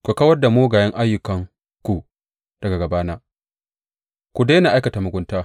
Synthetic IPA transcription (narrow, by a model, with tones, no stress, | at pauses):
kʷu˨ka˦wɐ˦rda˨moː˦ɡaː˨jɐ˦ŋʔa˦jːʊ˨kɐ˨ŋ | kʷu˨ | d̥ɐ˨ɡa˨ɡɐ˨baː˦naː˦ | kʷu˨da˦na˨ʔa˦jkɐ˨taː˨mʊ˨ɡʷʊ˦ntaː˦